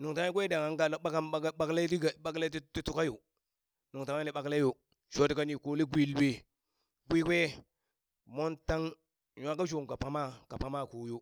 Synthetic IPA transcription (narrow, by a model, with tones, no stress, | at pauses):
nu˨ŋta˦ŋ˦i˦ɡʷwe˦da˨ŋa˨˦ŋɡa˦ɓa˦ka˦m˦ɓa˦kla˦ti˦˨ɓa˦kla˦ti˦ti˦tu˦ka˦jo˨ | nu˨ŋta˨ŋ˦a˦li˨ɓa˨kle˦jo˨ | ʃo˦ti˨ka˦ni˨ko˨li˦ɡʷi˦lwe˦ | ɡʷi˦kwʷe˦ | mo˦nta˦ŋ | ɲʷ˦a˦ka˦d͡ʒo˨ŋ˨ka˨pa˦ma˦ka˨pa˦ma˦˨ko˨jo˦